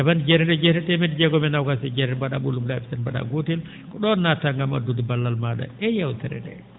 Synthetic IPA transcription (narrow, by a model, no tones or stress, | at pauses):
ɛband͡ʒɛɾɛdɛd͡ʒɛhɾɛtɛmɛdid͡ʒɛɡɔmɛnawkasɛd͡ʒɛɾɛbaɗa̰ɓulumlafi̥sanbaɗa̰ɡotil | kɔɗɔnːataŋɡama̰dudibalːalmaɗa̰ɛjawtɛɾɛ̰dɛ̰